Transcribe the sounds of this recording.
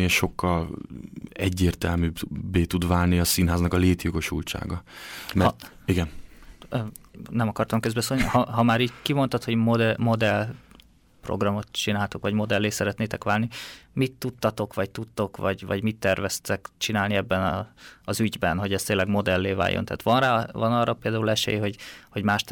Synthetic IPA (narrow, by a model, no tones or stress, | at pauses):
ʃo̞kːɒl | ɛɟːeːrt̪ɛlmyːbbːeːt̪ud̪vaːlniɒsinɦaːznɒkɒleːt̪jo̞ɡo̞ʃṵlt͡ʃa̰ːɡɒmɛ | iɡɛnønɛmɒkɒrt̪ɒmkøzbɛsolnihɒɦɒmaːɾiːɟkimo̞nt̪ɒt̪ho̞ɟmod̪ɛmo̞d̪ɛl | pro̰ɡrɒmo̞t̪t͡ʃinaːlt̪okʋɒɟmo̞d̪ɛlːeːsɛɾɛt̪neːt̪ɛkʋaːlnimit̪ːut̪ːɒt̪o̞kʋɒct̪ut̪ːo̞kʋɒ̰ɟvɒ̰ɟmit̪ːɛrvɛst̪ɛkt͡ʃinaːlniɛbːɛnɒɒzyɟbɛnɦo̞ɟɛst̪eːlːɛɡmo̞d̪ɛlːeːva̰ːjʔont̪ɛ̰ːt̪ʋɒnraːvɒnɒːrːɒpeːld̪aːulɛʃḛːjɦo̞ɟho̞ɟmaːʃt̪